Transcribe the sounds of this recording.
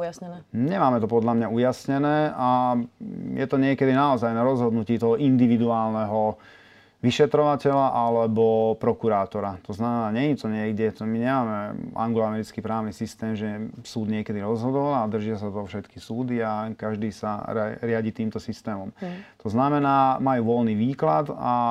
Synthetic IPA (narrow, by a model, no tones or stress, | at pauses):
jsɲɛnːɲɛmaːmɛt̪ɔpɔd̪lamɲaujasɲɛnɛːa | jʔɛt̪ɔɲɪɛkɛd̪inaɔzajnaɾɔzɦɔd̪nuciːt̪ɔɦɔʔind̪iʋid̪uaːlnɛɦɔ | ʋiʃɛt̪ɾɔʋacɛʎaʔalɛbɔpɾɔkuɾaːt̪ɔɾat̪ɔznamɛnaːɲɛɲit̪ɔɲɪɛɡɟɛt̪ɔmiɲɛmaːmɛa̰ŋɡlɔamɛɾit͡skipɾaːʊnisist̪ɛːmʒɛsuːd̪ɲɪɛkɛd̪iɾɔzɦɔd̪ɔlad̪r̩ʒɪas̬at̪ɔfʃɛt̪ki̥suːd̪iakaʒd̪iːsaɾaɾɪaɟit̪iːmt̪ɔsist̪ɛːmɔmt̪ɔznamɛnaːmajuːʋɔlniʋiːklad̪a